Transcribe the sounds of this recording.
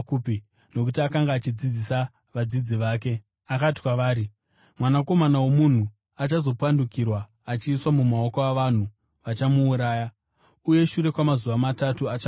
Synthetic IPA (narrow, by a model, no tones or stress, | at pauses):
kupi | no̞k̬utiakaŋɡaːt͡ʃid͡zid͡zisa | ʋad͡zid͡ziʋaːk̬e̞ | akati̥kwaʋaːɾi | mwanako̞manawo̞mun̤u | at͡ʃazo̞pwandukirwaː | t͡ʃiːswamumao̞koaʋan̤u | ʋat͡ʃamuːɾaːja | uje̞ʃuɾe̞kwamazuʋamatatuat͡ʃa